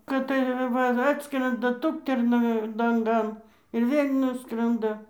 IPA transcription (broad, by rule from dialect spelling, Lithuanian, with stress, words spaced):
kɐt tɐɪ ˈʋɐ ˈɑːtskrʲɛndɐ ˈtʊktʲɛrnɐ lˠɐŋˈɡɐn ɪr ˈʋʲeːlʲ ˈnʊskrɐndɐ